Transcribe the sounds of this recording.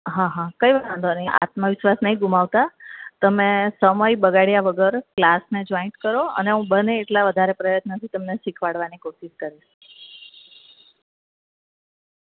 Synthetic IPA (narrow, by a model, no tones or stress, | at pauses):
ɦãɦãkəiʋaãnd̪onjaʔa̰t̪məʋiʃʋasnəɦĩɡumaʋt̪at̪əmesəməjbəɡaɽjaʋəɡəɾklasned͡ʒɔiɳʈkəɾoə̰neɦũbəneːʈlaʋəd̪ʱaɾepɾəjət̪nət̪ʰit̪əmneʃikʰʋaɽʋanikoʃiʃkəɾiʃ